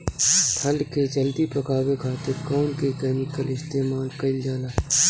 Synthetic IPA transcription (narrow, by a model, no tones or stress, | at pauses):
p̪ʰɐlked͡ʒɐld̪ipɐkaːwekʰaːt̪ekɔːnkekɛːmɪkəlɪst̪eːmaːlkɐɪld͡ʒaːlaː